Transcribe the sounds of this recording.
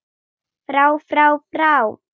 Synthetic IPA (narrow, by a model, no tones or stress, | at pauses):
fɾawfrawfraw